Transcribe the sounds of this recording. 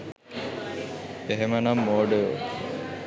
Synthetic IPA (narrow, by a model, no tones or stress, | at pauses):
eɦemənɐmːoːɖə̰